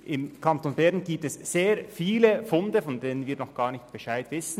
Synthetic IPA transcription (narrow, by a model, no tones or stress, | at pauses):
ʔɪmkʰantonbɛʁnɡiːp̚tɛsz̥eːɾfiːləfʊndəfɔndeːnənviːɐnɔχɡ̥aːʁnɪçtb̥ɛʃaɪtvɪsn̩